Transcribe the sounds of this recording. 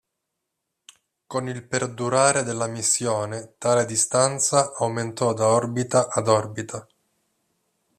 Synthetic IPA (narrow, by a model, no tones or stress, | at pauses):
konilperd̪uɾaːɾed̪elːamisːjoːnet̪aːled̪ist̪ant̪saʔawment̪ɔd̪aɔrbit̪aʔad̪ɔrbit̪ʰa